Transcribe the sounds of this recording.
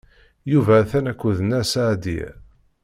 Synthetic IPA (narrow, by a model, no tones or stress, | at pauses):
juvæθænækʷːuðənːæsaʕd̪ḭ